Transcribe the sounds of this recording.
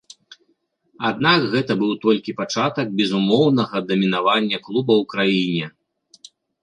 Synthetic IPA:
ad̪nakɣɛt̪ɐbɨwt̪ɔlʲkʲipat͡ʂat̪ɐɡ̚bʲɛzumɔwnɐɣɐd̪ɐmʲinavanʲːɐklˠubɐwkɾajinʲɛ

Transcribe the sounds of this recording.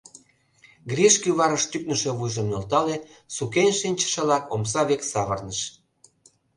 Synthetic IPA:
ɡrʲeʃkyβɑɾə̆ʃt̪yk̚nə̆ʃeβujʒɤ̆mnolt̪ɑle | sukenʲʃinʲt͡ɕə̥ʃelɑkoms̬ɑβeksɑβərnəʃ

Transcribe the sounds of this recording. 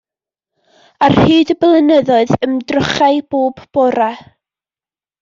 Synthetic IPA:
arhɨːdəblˠənəðɔɨðəmdrʊχaɨb̥oːbb̥ɔɾa

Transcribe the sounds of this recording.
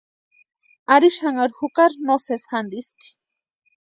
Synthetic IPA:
aɾiʃaŋaɾxukaɾnosesxand̪ist̪i̥

